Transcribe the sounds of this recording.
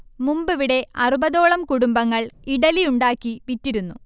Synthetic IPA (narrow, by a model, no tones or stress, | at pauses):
mumbɨʋiɽe̞ɐrubɐðo̞ːɭɐmkuɽumbɐŋːɐɭiɽɐlijuɳɖaːkːipitːiɾunːu